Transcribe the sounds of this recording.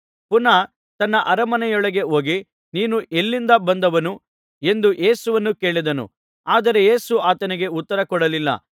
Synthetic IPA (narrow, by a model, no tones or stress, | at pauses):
punɐ | t̪ɐnːɐʔɐɾɐmɐnɛjɔɭɐɡe̞ɦo̞ːɡi | niːnuʔelːind̪ɐbɐnd̪ɐʋɐnu | e̞nd̪uʔe̞ːsuʋɐnːuke̞ːɭid̪ɐnṵ | aːd̪ɐɾe̞jeːsuaːt̪ɐniɡe̞ut̪ːɐɾɐkɔɽɐlilːɐ̰